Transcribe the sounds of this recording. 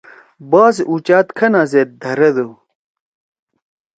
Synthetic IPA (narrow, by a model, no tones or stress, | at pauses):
baːzut͡ɕaːt̪kʰɐnaːzet̪̚d̪ʱɐɾɐd̪o